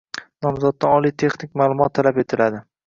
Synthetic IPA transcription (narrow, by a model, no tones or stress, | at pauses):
nɒmzɒd̪̚ːaɒlˠijt̪ʰe̞χnɪkʲmaːlˠʊmɒt̪ʰːalape̞t̪ʰɪlad̪ɪ